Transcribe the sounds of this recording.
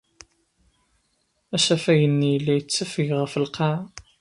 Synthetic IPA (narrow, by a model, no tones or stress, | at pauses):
æʃæfæjənːijəlːijət͡sːæfəʝʁəfəlqɑʕ